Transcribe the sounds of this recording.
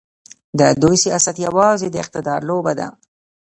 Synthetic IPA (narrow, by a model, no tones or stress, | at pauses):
d̪əd̪ojseasat̪jawɑzed̪əɪq̚t̪ɪd̪ɑɾlobad̪a̰